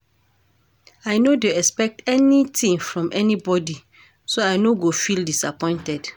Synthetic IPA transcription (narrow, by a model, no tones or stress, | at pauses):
aɪnodeɛkspɛk̚tɛnitĩŋfɹɔ̃mʔɛnibɔdi | soaɪnoɡofildisapɔ̃ɪ̃ntɛd̥